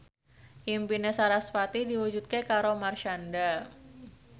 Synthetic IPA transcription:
impinɛsaɾasfat̪idiwud͡ʒut̪̚kekaɾomarʃanda

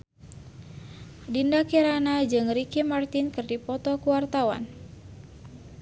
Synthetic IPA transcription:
dindakiɾanad͡ʒɨŋrikimart̪inkɨrdipɔt̪ɔkuwart̪awa̰n

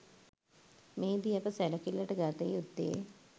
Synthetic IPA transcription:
meːd̪iɐpəsɛlɐkilːaʈəɡaːt̪ejud̪ːḛ

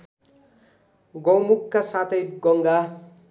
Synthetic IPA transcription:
ɡʌwmukːasat̪ʰʌjɡʌŋɡa

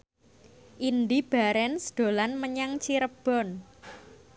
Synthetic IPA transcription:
ʔind̪ib̥a̤ɾɛnsd̪̥o̤lanməɲaŋt͡ʃiɾəb̥ɔ̤n

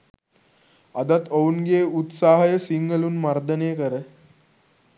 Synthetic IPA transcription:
ad̪at̪ounɡeːut̪saːɦəjəsiŋɡəluːnmaɾd̪əneːkəɾə

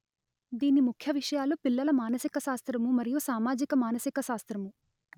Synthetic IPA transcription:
d̪iːnimukʰjɐʋiʂɐjaːlupilːɐlɐmaːnɐsikɐʃaːst̪ɾɐmumɐɾijusaːmaːd͡ʒikɐmaːnɐsikɐʃaːst̪ɾɐmu

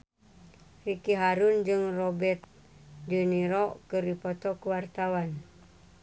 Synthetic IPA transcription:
rikiɦaɾund͡ʒɨŋrobɛrt̪̚ | d͡ʒuniɾɔkɨrdipɔt̪ɔkuwart̪awan

